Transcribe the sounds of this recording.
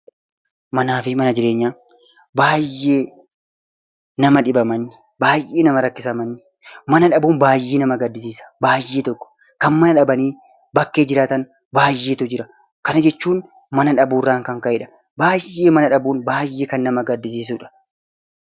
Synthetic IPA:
mɐnaːfɪmɐnɐd͡ʒɪɾe̞ːɲːaː | baːjːe̞ː | nɐmɐᶑɪbɐmɐnːɪ | baːjʔe̞ːnɐmɐɾɐkːɪsɐmɐnːɪ | mɐnɐᶑɐbuːnbaːjːeːnɐmɐɡɐd̪ːɪs̬iːsɐ̥baːjːeːt̪ɔkːɔ̥ | kɐnmɐnɐᶑɐbɐniː | bɐkːe̞ːd͡ʒɪɾaːt̪ɐn | baːjːeːt̪ʊd͡ʒɪɾɐ | kɐnɐd͡ʒɛt͡ʃːuːn | mɐnɐᶑɐbuːrːaːŋkɐŋkɐʔɪᶑɐ̥ | baːjːeːmɐnɐᶑɐbuːnbaːjːeːkɐnːɐmɐɡɐd̪ːɪs̬iːs̬uːᶑɐ̥

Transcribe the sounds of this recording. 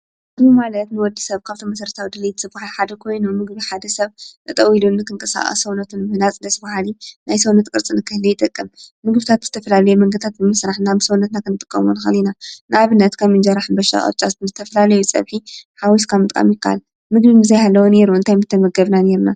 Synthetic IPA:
ɨɡbimalɐt̪nɨwɔd̪ːisɐβkʰaβt̪ʰomɐsɐɾt̪ʰawd̪ɐlɐjt̪sɨbahalħad̪ɐkʰo̞jnumɨɡβiħad̪ɐsɐβnɨt̪ʼɐwilunːɨkʰɨŋkʼɐsa̰χʼɐ̰sɐwnɐt̪ʰunmɨhnat͡sʼɨdɐsɨbahalinajsɐwnɐt̪kʼɨɾt͡sʼɨnɨkʰɨhlɐjɪt̪ʼɨkʼːɨmmɨɡbɨt̪ʰat̪z̥ɨt̪ʰɐfɐlalɐjumɐŋɡɨt̪ʰat̪̚bɨmɨsɾaħnabɨsɐwnɐt̪nakʰɨnɨt̪ʼɨkʼːɐ̰munxɐ̰linanɨʔaβɨnːɐt̪kʰɐmɨnd͡ʒɐɾaħnbɐʃa̰χʼɐ̰t͡ʃʼa̰t̪nɨzɨt̪ʰɐfɐlalɐjut͡sʼɐ̰βħiħawiskʰamɨt̪ʼkʼa̰mjɪkːaʔa̰l | mɨɡbimɨzɐjhalːɐwone̞ɾuɨnt̪ʰajmɨt̪ʰːɐmɐɡɐβnaneɾuna

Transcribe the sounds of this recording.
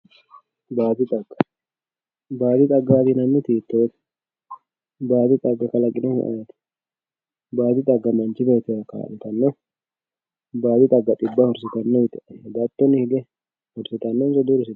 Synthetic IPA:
baːd̪ɪt̪ʼɐɡːɐ | baːd̪ɪt̪ʼɐɡat̪ɪnɐnːɪt̪iːt̪ːoːt̪ | baːd̪ɪt̪ʼɐɡːɐkɐlɐɡʼɪnɔn̰ʔa̰jɐt̪ | baːd̪ɪt̪ʼɐɡːɐmɐnt͡ʃɪbɛt̪ɪjɐka̰ːlɪt̪ɐnːɐ | baːd̪ɪt̪ʼɐɡːɐt̪ʼɪbːɐhɔɾsɪt̪ɐnːɐmɪt̪ɪʔd̪at̪ːɔnːɪhɪɡɛ | hɔɾsɪt̪ɐnːɔnsɔd̪uːɾɪsɪt̪

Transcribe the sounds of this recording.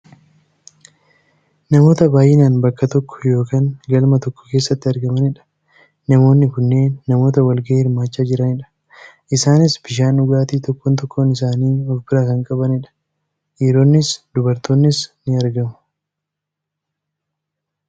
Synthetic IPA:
nɐmo̞ːt̪ɐbaːjʔɛnaːnbɐkːɐt̪ɔkːɔ̥jo̞ːkaːŋɡɐlmɐt̪ɔkːɔ̥ke̞ːsːɐt̪ːɪɐɾɡɐmɐnɪᶑɐ̥ | nɐmo̞ːnːɪkʊnːe̞ːnːɐmo̞ːt̪ɐwɐlɡɐeːhɪɾmaːt͡ʃːaːd͡ʒɪɾɐnɪᶑɐ̥ | ʔɪsaːnɪsbɪʃ̬aːnʊɡaːt̪iːt̪ɔkːɔːnt̪ɔkːoːnɪsaːniːɔfbɪɾaːkɐŋkʼɐbɐnɪᶑɐ̥ | jɛɾo̞ːnːɪsd̪ʊbɐɾt̪o̞ːnːɪsnɪɐɾɡɐmʊ̥

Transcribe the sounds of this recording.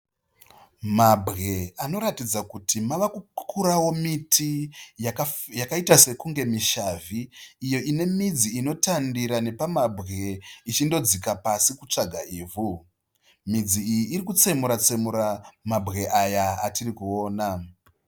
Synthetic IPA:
mabʱɣe̞ano̞ɾatid͡zakutʰimaʋakukʰuɾawo̞mitʰi | jakaitase̞kuŋɡe̞miʃaviːjo̞ʔine̞mid͡ziino̞tandiɾane̞pamabʱɣe̞it͡ʃindo̞d͡zikapasikut͡ʂaɡʱaiːvu | mid͡ziijiːɾikut͡se̞muɾat͡se̞muɾamabʱɣe̞ʔajaːtirikuo̞ːna

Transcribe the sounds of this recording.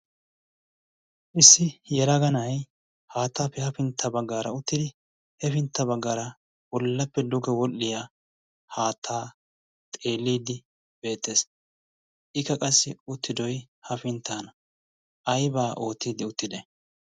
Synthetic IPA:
ʔɪsːɪjɛɾɐɡɐnɐj | haːt̪ːaːpːɛhɐfɪnt̪ʰːɐbɐɡːaːɾɐ̰ʊt̪ːɪd̪ɪ | hɛfɪnt̪ːɐbɐɡːaːɾɐ | wɔlːɐpːɛd̪ʊɡɛwɔlːɪja | haːt̪ʰːaː | t̪ʼe̞ːlːiːd̪ɪ | b̥e̞ːt̪ːeːs | ʔɪkːɐkʼɐsːɪʊt̪ːɪd̪ɔj | hɐfɪnt̪ʰːaːnɐ | ɐjbaːʔo̞ːt̪ːiːd̪ɪʊt̪ːɪd̪ɛ

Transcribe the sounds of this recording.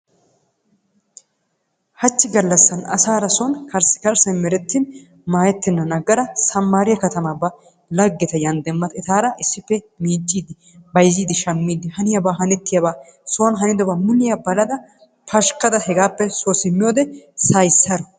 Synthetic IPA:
hɐt͡ʃːɪɡɐlːɐsːɐnɐ̰saːɾɐsonkɐɾsɪ̥kɐɾsɐnmɛɾɛt̪ːɪn | maːjɛt̪ːɪnːɐnɐɡɐɾɐsɐmːaːɾɪjɐkɐt̪ɐmabɐ | lɐɡːɛt̪ɐjɐnd̪ɛmːɐt̪ɛt̪aːɾɐʔɪsːɪpːɛ | miːnt͡ʃʼːiːd̪ɪ | bɐjziːd̪ɪʃɐmːiːd̪ɪhɐnɪjɐbaːɦɐnɛt̪ːɪjɐbaː | soːnɦɐnɪd̪ɔbaːmʊnːɪjɐbɐlɐd̪ɐ | pʰɐʃkɐd̪ɐhɛɡaːpːɛsosɪmːɪjoːd̪ɛsɐjsːɐɾɔ

